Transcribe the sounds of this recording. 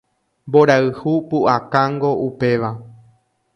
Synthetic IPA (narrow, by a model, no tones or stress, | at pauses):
mbo̞ɾaɨhupuʔakaŋɡo̞ʔupe̞ʋa